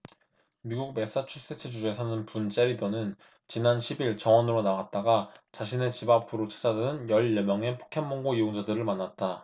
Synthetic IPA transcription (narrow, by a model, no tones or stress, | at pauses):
miɡuk̚me̞s͈at͡ɕʰus͈et͡ɕʰɯd͡ʑud͡ʑoesʰanɯnpunt͡ɕ͈e̞ɾidonɯn | t͡ɕinanɕʰibiɭt͡ɕʌŋʌnɯɾonaɡat̚t͈aɡat͡ɕaɕʰine̞t͡ɕibapp͈ʰuɾot͡ɕʰḁd͡ʑadɯnɯnjʌɭːemjʌŋe̞pʰo̥kʰenmoŋɡoijoŋd͡ʑadɯɾɯɭmanːat̚t͈a